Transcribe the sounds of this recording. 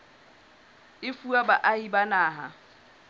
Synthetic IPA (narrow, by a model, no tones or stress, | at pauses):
ɪfuabaʔaibanaːɦa̰